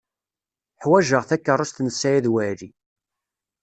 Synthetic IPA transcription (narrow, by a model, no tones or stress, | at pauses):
ħwæʒəʁθækːərˤːʊst̪nəsːæjæðwæɾi